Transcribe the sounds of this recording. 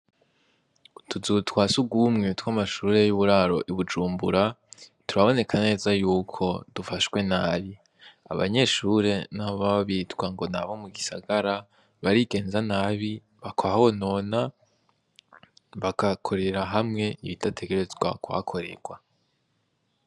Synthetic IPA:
tʰuzutwaːsuɡumŋetwamaʃuːɾe̞juβuɾaːɾo̞̰ʔiβud͡ʒuːmbṵɾatuɾaβo̞ne̞kʰane̞ːzajuːkʰo̞dufaʃwe̞naːβi | a̰βa̰ɲe̞ʃuɾe̞naβaβiːtwaŋɡo̞na̰βo̞muɡisaɡaɾa | βaɾiɡe̞ːnzanaːβi | βakʰoaono̞ːna | βakakʰo̞ɾe̞ɾaɦamŋe̞iβitatʰe̞ɡe̞ɾe̞zɡwa̰kua̰kʰo̞ɾe̞̰ɡ̥wa

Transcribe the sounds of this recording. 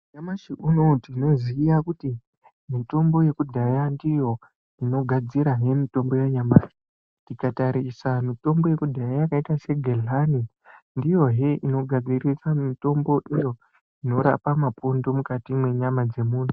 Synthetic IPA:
ɲamaʃiʔuno̞tino̞zijakuti | mito̞mbo̞je̞kudʱajandijo̞ | ino̞ɡʱad͡ziɾaɦe̞mito̞mbo̞jeɲamaʃi | ntikataɾisamito̞mbo̞je̞kudʱajajakaitase̞ɡʱelani | ndijo̞ɦeʔino̞ɡʱad͡zirisamito̞mbo̞ʔijo̞ | ino̞ɾa̰pamapundomukatimwe̞ɲamad͡ze̞muːn̤u

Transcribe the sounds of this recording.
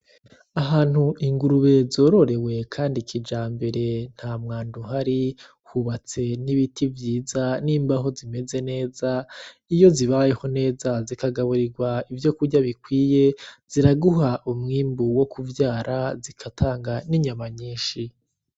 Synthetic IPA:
aɦaːn̥huʔiŋɡuɾuβe̞zo̞ːɾo̞ɾe̞we̞kʰaːndikʰid͡ʒaːmbe̞ɾe̞n̥hamŋaːnduɦaɾi | huβat͡se̞niβitivjiːzaniːmbaɦo̞zime̞ze̞ne̞ːza | ijo̞ziβaje̞ho̞ne̞ːzazikaɡaβuɾiɡwaivjo̞kuɾɟaβikwiːje̞z̥iɾaɡuɦaʔumŋiːmbuwo̞kuvjaːɾazikʰatʰaːŋɡaniɲamaɲiːnʃi

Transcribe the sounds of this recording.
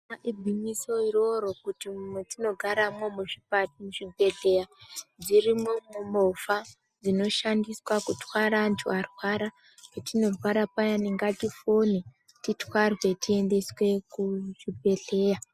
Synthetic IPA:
aʔibʱiɲiso̞iro̞ɾo̞kutimumwetino̞ɡʱaɾamomuʐipatmuʐibe̞ɮe̞jad͡zirimomumofa | d͡zino̞ʃandiswakutwaɾantʰṵarwaɾa | ketino̞rwaɾapajaniŋɡatifoni | titwarwe̞tie̞nde̞swe̞kuʐibe̞ɮe̞ːja

